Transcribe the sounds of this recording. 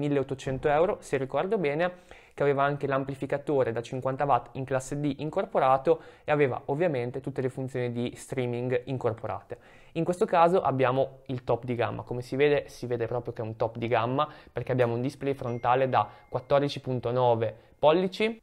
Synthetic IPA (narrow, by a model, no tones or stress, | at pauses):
milːeot̪ːot͡ʃɛnt̪oɛwɾoserikɔrd̪obɛːne | keaveːvaaŋk̟elamplifikat̪oːɾed̪at͡ʃiŋkwant̪avat̪ːiŋklasːed̪iʔiŋkorpoɾaːt̪oeaveːva̰ʔovːjament̪et̪ut̪ːelefunt̪sjoːnid̪ist̪ɾiːmiŋɡiŋkorpoɾa̰ːt̪e | iŋkwest̪okaːzoʔabːjaːmoilt̪ɔpːd̪iɡa̰mːʔa̰komesiveːd̪esiveːd̪epɾɔːpɾjokeɛunt̪ɔpːd̪iɡamːaperkeabjaːmound̪isplɛjfɾont̪aːled̪akwat̪ːɔrd̪it͡ʃipunt̪onɔːve | pɔlːit͡ʃi